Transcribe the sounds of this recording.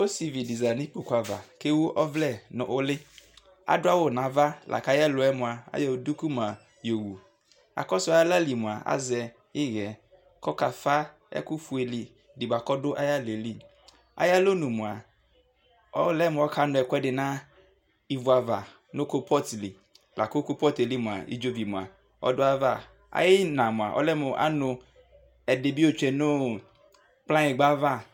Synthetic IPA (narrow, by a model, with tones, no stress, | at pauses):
o˦si˨vi˨di˨za˨nɪ̃˦po˨kʷa˨va̰˨ke˦wʊ˦ʔɔ˦vlɛ˦˨nʊ̰̃˨ʔʊ˦lɪ˦ | a̰˨dʊ˦a˦wʊ˨nã˨va˦lʔa̰˨ka˦jɛ˦lʊ˨ɛ˦mʊ̃˨a˨a̰˦jɔ˨du˦ku˦m˨a˨ | jo˨wu˨ | a̰˨kɔ˦sʊ˦a˨˦a˦la˦li˨mʊ̃˨a˨a̰˦zɛ˨ | ɪ˦ɣɛ˨ | kɔ˦ka˨fa˦ | ɛ̰˦kʊ˦fu˨e˨li˨ | dɪ˨ba˨kɔ˦dʊ˦ʔa˦ja˦le˨li˦ | a̰˨ja˦lo˦nũ˨mu˨a˨ | ɔ˦lɛ˦mʊ̃˨ɔ˦kʰa˦nʊ̃˨ɛ˨kɔ˦ɛ˦dɪ˨nã˦ | i˨vu˨˦a˨va˨ | no˦ko˦pʰɔ˦tli˨ | lʔa˨ko˦ko˦pɔ˦te˨li˦mũ˨a̰˨ḭ˦d͡ʒo˦vi˨mũ˨a̰˨ | ɔ̰˦dʊ˦a˦va˦˨ | a̰˨jɪ˦nã˨mʊ̃˨a̰˨ʔɔ̰˦lɛ˦mʊ˨ʔa̰˦nʊ˨ | ɛ˨de˨bi˦o˦t͡ʃɛ˨no˦ | k͡plã˦jɪ˨ɡ͡ba˦va˦